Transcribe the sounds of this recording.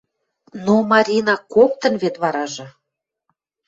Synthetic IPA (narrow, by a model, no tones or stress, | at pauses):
nomɑɾʲinɑkok̚t̪ə̆nβet̪βɑɾɑʒɤ̆